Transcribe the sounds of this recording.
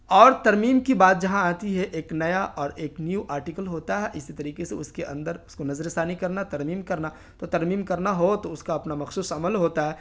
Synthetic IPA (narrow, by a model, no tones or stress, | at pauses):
ɔːɾt̪ɐɾmiːmkibaːt̪̚d͡ʒɐɦãaːt̪iɦɛʔeːknɐjaʔɔːɾeːknjuʔaːɾʈikəlɦoːt̪aɦɛʔɪsit̪ɐɾiːkeseʊskeʔɐ̃nd̪əɾʊskonɐzəɾɪsaːnikɐɾnat̪ɐɾmiːmkɐɾna | t̪ot̪ɐɾmiːmkɐɾnaɦot̪oʊskaɐpnamɐxsuːsɐməlɦoːt̪aɦɛː